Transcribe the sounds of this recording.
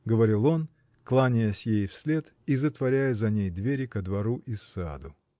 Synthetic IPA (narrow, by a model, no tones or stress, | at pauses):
ɡəvɐɾʲilˠo̞n | klˠanʲɪjəsʲjejfsʲlʲe̞t̪izət̪vɐɾʲæjəzɐnʲejd̪vʲeɾʲɪkəd̪vɐɾuʔɪsːa̰d̪ʊ